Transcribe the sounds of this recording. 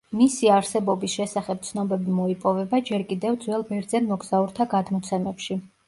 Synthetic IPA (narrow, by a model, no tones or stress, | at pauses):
misiaɾsɛbɔbisʃɛsaχɛp̚t̪sʰnɔbɛbimɔipʼɔvɛbad͡ʒɛɾkʼid̪ɛvd̪zwɛlˠbɛɾd̪zɛnmɔɡz̥auɾt̪ʰaɡad̪mɔt̪sʰɛmɛpʃi